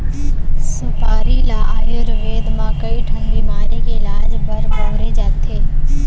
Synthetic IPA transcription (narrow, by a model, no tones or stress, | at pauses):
sɪpaːɾilaːaːjoɾʋeːd̪mãːkɐiʈʰɐ̃ŋɡimaːɾikeɪlaːd͡ʒbɐɾbɐʋɾed͡ʒaːt̪ʰeː